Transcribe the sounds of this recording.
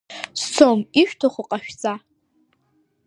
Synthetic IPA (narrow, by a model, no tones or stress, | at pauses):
st͡sʰomiʃᶣtʰoχʷʊqʼaʃᶣt͡sʼa